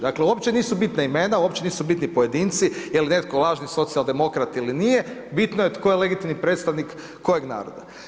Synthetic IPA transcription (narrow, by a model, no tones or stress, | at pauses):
d̪akleuopt͡ʃeniːsubit̪naimenauopt͡ʃe̞niːsubit̪nipoje̞d̪iːnt̪sijeline̞t̪kolˠaːʒniso̞t̪sialˠd̪e̞mo̞kɾat̪iilinijebit̪nojet̪kojele̞ɡit̪imnipɾeːt̪st̪aʋnikː | ojeɡna̰ːɾo̰d̪a̰